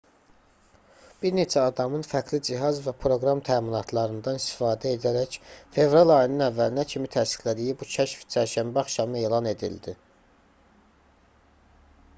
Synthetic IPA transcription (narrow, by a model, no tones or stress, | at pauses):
b̥iɾne̞t͡ʃʰæɑd̪ɑmɯnfækʰlid͡ʒiɦɑzvæpʰɾo̞ɡɾɑmt̪ʰæːminɑt̪ʰlˠɑɾɯnd̪ɑnist̪i̥fɑːd̪æe̞d̪æɾæçfe̞vɾɑlˠɑjɯnɯnævːælinæcʰimit̪ʰæsi̥xlæd̪ijibucʰæʃft͡ʃʰæɾʃæmbæɑχʃɑmɯe̞ːlˠɑne̞d̪ḭld̪i